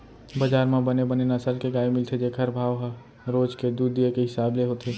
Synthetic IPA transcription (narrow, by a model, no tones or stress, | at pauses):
bəd͡ʒaːɾmãbənebənenɐsəlkeɡaːemɪlt̪ʰed͡ʒekʰəɾbʱaːʋɦ | ɾoːd͡ʒked̪uːd̪ijekeɦɪsaːbleɦot̪ʰeː